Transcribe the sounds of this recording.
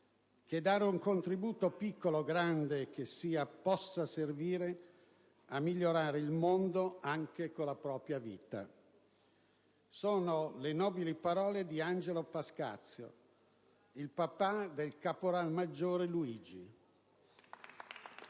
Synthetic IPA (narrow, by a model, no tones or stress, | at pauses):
k̟ed̪aːɾeuŋkont̪ɾibuːt̪opikːoloɡɾand̪ek̟esiːapɔsːaserviːɾe | amːiʎːoɾaːɾeilmond̪oaŋk̟ekolapɾɔːpɾjavḭːt̪a̰ | soːnolenɔːbilipaɾɔːled̪iand͡ʒelopaska̰t̪sːjo̰ | ilpapad̪elkapoɾalmad͡ʒːoːɾeluiːd͡ʒi